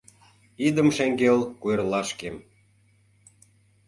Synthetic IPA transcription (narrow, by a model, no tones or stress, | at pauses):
id̪ə̆mʃeŋɡelkuerlɑʃkem